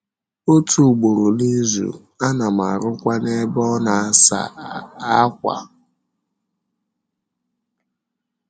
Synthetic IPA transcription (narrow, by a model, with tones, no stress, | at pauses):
o˦tʰu˨ɡ͡bo˨ɾo˨ni˦zṵ˨ | a˦na˨m̩˨a̰˨ɾʊ˦kʷa˦ne˦bɔ˦na˨a˦˨sa̰˨a˦kʷa̰˨